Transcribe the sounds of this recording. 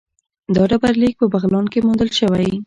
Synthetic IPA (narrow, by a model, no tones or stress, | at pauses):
d̪ɑɖabaɾlik̚pəbaɣlɑnkemund̪əlʃəwaj